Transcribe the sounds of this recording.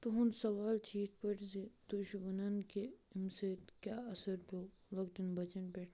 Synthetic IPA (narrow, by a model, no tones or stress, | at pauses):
t̪oɦʊnsɐʋaːlt͡ʃʰiːt̪pɐʈzed̪̥ʊʃmɐnɐnkeɪmset̪kjaːɐsɐɾpʰoː | lɐɡt̪inbɐt͡ʃɐnbeːʈʰ